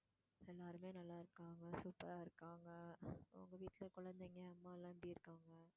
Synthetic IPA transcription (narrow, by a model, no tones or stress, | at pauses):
ɛlːaːɾɯmeːnɐlːaːɪɾɯkːaːŋɡɐsuːpːɐɾaːɪɾɯkːaːŋɡɐʊ̰ŋɡɐʋiːʈːɪlɐkʊɻɐnd̪eŋɡeɐmːaːɛlːãːɪmbɽiːɪɾɯkːaːŋɡɐ